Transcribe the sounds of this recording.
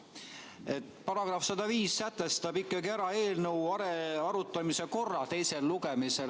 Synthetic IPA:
e̞t̪pɑɾɑɡ̥rɑfsɑd̪ɑviːsːæt̪ːˑe̞st̪ɑbikːˑɑɡieɾɑe̞ːlnewɑɾeɑɾut̪ˑːɑmise̞ko̞rːɑt̪e̞jse̞lluɡ̥e̞mise̞l

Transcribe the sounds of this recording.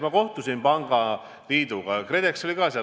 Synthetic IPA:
mɑko̞ht̪usinpɑŋɡ̥ɑ | liːd̪̥uɡ̥ɑkre̞d̪ekso̞lʲikɑːseɑ

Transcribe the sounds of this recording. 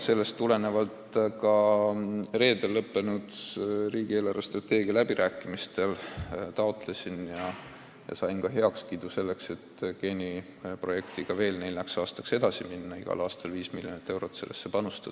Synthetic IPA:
se̞lːe̞st̪ːule̞ne̞vɑlt̪kɑ | re̞ːd̪e̞lːɤpːe̞nud̪riːɡie̞ːlɑɾɑst̪rɑt̪e̞ːɡ̥iɑlæb̥iɾʔæːkːˑimist̪e̞lt̪ɑot̪ˑle̞sʲinjɑ | jɑ̰sɑjnkɑɦe̞ɑkskid̪̥use̞lːe̞kse̞t̪ke̞nʲi | pro̞je̞kt̪iɡ̥ɑve̞ːlne̞jlːæksɑːst̪ɑkse̞d̪ɑsiminːɑiɡ̥ɑ̰lʔɑːst̪ɑlviːsmiljo̞nit̪ːe̞wɾo̞t̪se̞lːesːe̞pɑnust̪u̥

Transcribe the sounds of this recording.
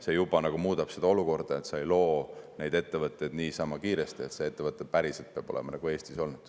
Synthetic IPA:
se̞jub̥ɑnɑɡ̥umuːd̪̥ɑb̥se̞d̪ɑo̞luko̞rd̪̥ɑe̞t̪seejlo̞ːne̞jd̪e̞t̪ːe̞vɤt̪ːˑejd̪niːsɑmɑkiːɾe̞st̪ie̞t̪see̞t̪ːevɤt̪ːˑe̞pæɾiselt̪peɑb̥o̞̰le̞mɑnɑɡ̥ue̞ːst̪iso̞lnud̪̥

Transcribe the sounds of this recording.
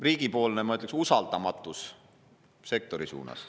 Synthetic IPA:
riːɡ̥ipo̞ːlnemɑyt̪ːˑleksusɑld̪̥ɑmɑt̪ːˑus | se̞k̚t̪o̞ɾisṵːnɑ̰s

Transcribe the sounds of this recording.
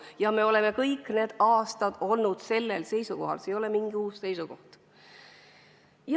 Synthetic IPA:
jɑme̞o̞le̞me̞kɤjkːˑne̞ːd̪̥ɑːst̪ɑd̪̥o̞lnud̪̥se̞lːe̞lse̞jsuko̞ɦɑ̰lsejo̞lemiŋɡ̥iuːsːe̞jsuko̞̰ht̪ | j

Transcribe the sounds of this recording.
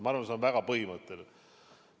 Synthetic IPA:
mɑɑrvɑnseonvæɡɑpɤhimət̪ːˑel

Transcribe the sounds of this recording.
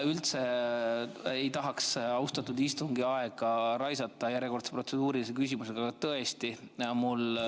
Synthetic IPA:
ylt̪se̞ | ejt̪ɑɦɑksɑwust̪ɑt̪ːud̪ist̪uŋɡiɑeɡ̥ɑɾɑjsɑt̪ˑːɑjæɾjeko̞rt̪sepro̞t̪se̞d̪̥uːɾilsekys̬ʲimuse̞ɡ̥ɑɡɑt̪ɤe̞st̪ijɑmul

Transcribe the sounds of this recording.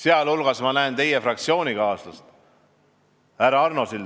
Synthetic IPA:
seɑlulɡ̥ɑsmɑnæent̪e̞jefrɑk̚t̪sio̞ːnʲikɑːslust̪ | æɾɑɑrnosil

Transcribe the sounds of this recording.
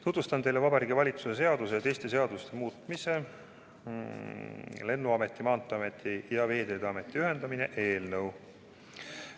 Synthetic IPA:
t̪ut̪vust̪ɑnt̪e̞jlevɑbɑɾiːɡivɑlʲit̪suse̞s̬e̞ɑd̪̥uset̪e̞jst̪e̞se̞ɑd̪̥ust̪e̞muːt̪ˑmise̞ | le̞nːuɑmet̪ːˑimɑːnt̪ːˑɑmet̪ʰːˑijɑve̞ːd̪e̞ːd̪ɑme̞t̪ˑːiyɦe̞nd̪̥ɑmine̞ʔe̞ːlnɤw

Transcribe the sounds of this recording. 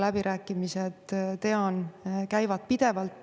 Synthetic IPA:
læbiɾʔæːkːˑimised̪̥t̪e̞ɑnkæjvɑd̪̥̚pid̪̥e̞vɑlt̪ː

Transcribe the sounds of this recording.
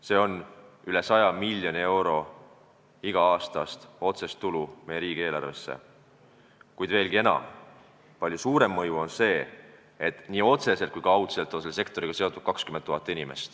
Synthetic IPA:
se̞ːo̞nyle̞sɑjɑmilʲjonʲie̞wɾo̞ | iɡ̥ɑɑːst̪ɑst̪o̞t̪se̞st̪ːulumejeɾiːɡ̥ie̞ːlɑ̰rve̞sːḛ | kujd̪̥ve̞ːlɡie̞nɑ̰m | pɑlʲjusuːɾe̞mːɤjuo̞nse̞ː | et̪ːniːo̞t̪se̞set̪kujkɑɑwt̪se̞lt̪ːˑonselːese̞kt̪o̞ɾiɡɑse̞o̞t̪ːˑud̪̥kɑkskymet̪ːuɦhɑt̪ːˑinʲime̞̰st̪

